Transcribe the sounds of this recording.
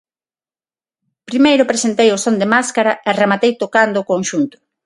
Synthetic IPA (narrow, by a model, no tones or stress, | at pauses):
pɾimejɾʊpɾesent̪ejosond̪emaskaɾaɛremat̪ejt̪okand̪oʊːkonʃunt̪ʊ̥